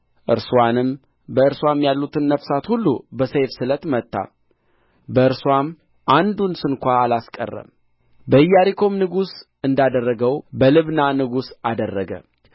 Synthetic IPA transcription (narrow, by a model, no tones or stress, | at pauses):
ʔɨɾswanɨm | bəɨɾswamjalːut̪ʰɨnːəfsat̪hulːubəsejfsɨlət̪mət̪ʰʼːa̰ | bəɨɾswam | ʔand̪unsɨnkʷaːlaskʼə̰rːə̰m | bəɨjːaɾikʰo̞mnɨɡusʔɨnd̪ad̪ərːəɡəwbəlɨβnanɨɡusad̪ərːəɡə̰